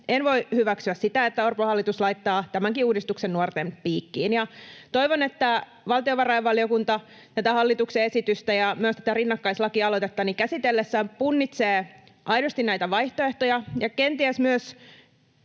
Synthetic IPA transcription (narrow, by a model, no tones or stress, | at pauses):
enʋo̞ihyʋæksyæssit̪æet̪ːæorpohɑlːit̪uslɑit̪ːɑːt̪æmæŋkiuːdist̪uksenːuort̪empiːkːiːnjɑt̪o̞iʋonet̪ːæ | ʋɑlt̪ioʋɑrɑjɑʋʋɑlˑiokunt̪ɑ | t̪æt̪æhɑlːit̪ukseesit̪yst̪æjɑmyøst̪æt̪ærinːɑkːɑislɑkiɑlot̪et̪ːɑnikæsit̪elːesːæːmpunːit̪seː | ʔɑjdost̪innæit̪æʋɑjht̪oeht̪ojɑjɑkent̪iæsmyøs